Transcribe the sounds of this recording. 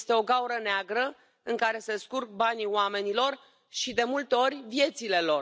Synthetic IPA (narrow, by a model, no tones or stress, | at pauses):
st̪e̞o̞ɡauɾəneaɡɾə | ɨŋkaɾe̞seskurk̚banioame̞nilo̞r | ʃid̪e̞mult̪eo̞rʲvje̞t̪sile̞lo̞r